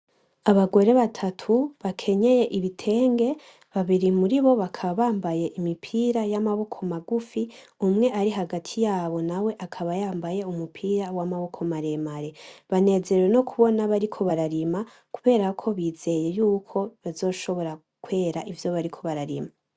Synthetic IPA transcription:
aβaɡo̞ɾe̞βatʰatʰuβakʰe̞ɲe̞je̞ʔiβitʰe̞ːŋɡe̞ | βaβiɾimuɾiβo̞βakʰaβaβaːmbaje̞ʔimipʰiːɾajamaβo̞kʰo̞maɡufiumŋe̞ʔaɾiɦaɡatʰijaːβo̞nawe̞ʔakʰaβajaːmbaje̞umupʰiːɾawamaβo̞kʰomaɾe̞maɾe̞βane̞ze̞ɾeweno̞kʰuβo̞naβaɾikʰo̞βaɾaɾima | kuβe̞ːɾakʰo̞βiːze̞je̞juːkʰo̞βazo̞ːʃo̞βo̞ɾa | kwe̞ːɾaʔivjo̞βaɾikʰo̞βaɾaɾima

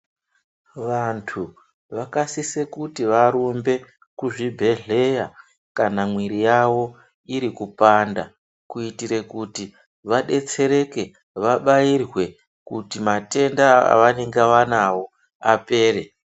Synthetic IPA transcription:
ʋantʰu | ʋakasisekutiʋaɾumbe̞ | kuʐibʱe̞ɮe̞ja | kanamwiɾijawo̞ | iɾikupanda̰ | kuitiɾe̞kuti | ʋaɗe̞t͡se̞ɾe̞ke̞ | ʋaɓairwe̞ | kutimate̞ndaa̰ʋane̞ŋɡeʋanawo̞ | ape̞ːre

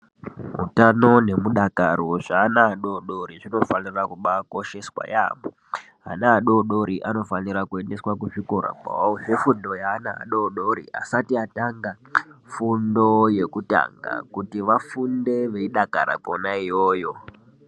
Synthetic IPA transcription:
ɦṵtano̞ne̞muɗakaɾoʐaːnaːɗo̞ɗo̞ɾiʐino̞fanirakuɓako̞ʃe̞swa̰ja̰mo | ɦa̰naːɗo̞ɗoɾiʔano̞fanirakue̞nde̞swakuʐikoɾa̰pa̰ouʐefundo̞jaːnaa̰ɗoɗoɾḭa̰satiataŋɡa | fundo̞je̞kuta̰ŋɡa̰kutiʋafunde̞ʋe̞iɗaka̰ɾa̰konaijoːjo̞

